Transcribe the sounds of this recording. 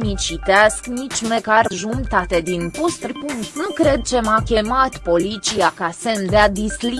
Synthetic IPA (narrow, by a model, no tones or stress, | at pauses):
mit͡ʃit̪easknit͡ʃʲmekarʒumt̪at̪ed̪inpost̪rʲpunt̪nukɾe̞d̪̚t͡ʃe̞makʲe̞mat̪po̞lit͡ʃiakasend̪ead̪isli